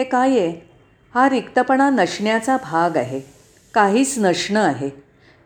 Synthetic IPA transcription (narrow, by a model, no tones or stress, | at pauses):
ekaje | haɾikt̪əpəɳanəʂɳjat͡sabʱaɡaɦe | kaɦiːt͡snəʂɳəaɦe